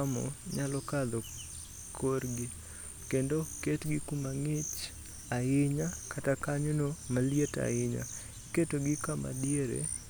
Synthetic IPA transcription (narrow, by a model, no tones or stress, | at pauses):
mɔ̰ɲalɔkad̪ɔ | kʰorɡɪ | kendoketɡɪkumaŋɪt͡ʃ | aɪɲakʰatakaɲonomaljeta̰ɪɲa̰ | ketoɡɪkama̰djeɾḛ